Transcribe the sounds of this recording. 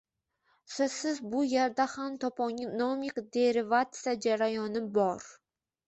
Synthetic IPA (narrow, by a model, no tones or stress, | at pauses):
sɪzsɪzbʊjeɾd̪ahamt̪ʰɒpɒŋɪnomʲikd̪eɾɪvat̪sɨjad͡ʒaɾajɒnɨbɒɾ